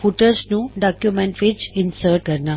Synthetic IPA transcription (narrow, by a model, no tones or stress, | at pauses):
fuʈəɾsnũːɖakjumẽɳʈʋed͡ʑinsəɾkəɾna